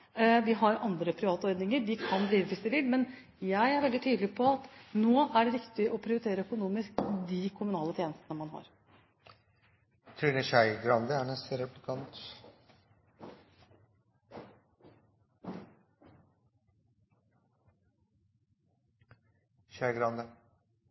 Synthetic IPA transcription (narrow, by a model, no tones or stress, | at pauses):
ʋɪɦɑɾɑnd̪ɾəpʰɾɪʋɑːt̪ɔɾd̪nɪŋəɾʋɪkʰɑnb̪ɾiːʋəʋɪsd̪ɛʋɪlmɛn | jæɪæɾʋɛld̪ɪt̪ʰyːd̪lɪpʰɔɑt̪noːæɖɛɾɪkt̪ɪʔɔpʰɾɪʊɾɪt̪ʰeːɾəœkʊnuːmɪskd̪ikʰʊmʉnɑːlət̪ʰjeːnəst̪ənəmɑnɦɑ̰ɾ | t̪ʰɾiːnəɕæɪɡɾɑnd̪əæɳɛst̪əɾɛplɪkʰɑnt̪ | ɕæɪɡɾɑnd̪ə